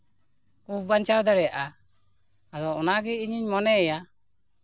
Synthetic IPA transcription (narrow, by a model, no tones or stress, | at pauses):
kubaɲt͡ʃawd̪aɾɛjaʔa | ad̪ɔɔnaɡɛiɲiɲmɔnɛːja